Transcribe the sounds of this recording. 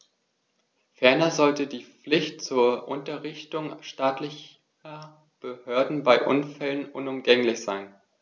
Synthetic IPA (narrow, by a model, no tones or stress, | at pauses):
fɛɐnɐzɔltədiːp͡flɪçtt͡suːɐʔʊntɐʁɪçtʊŋʃtaːtlɪç | ɐ | b̥əhøɐdn̩baɪʔʊnfɛlənʔʊnʊmɡɛŋlɪçz̥aɪn